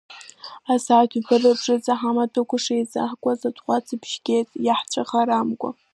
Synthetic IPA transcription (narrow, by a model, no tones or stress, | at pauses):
asaːtʰbɨrɨbʐɨt͡sʼaħamatʰʼɨkʷʊʂajt͡sʼa̰ħkʷʼazatʰʼχʷat͡sʰibʰʃɡʲejtʼjaħt͡ʃʷʰʼaχaɾamkʷʼa̰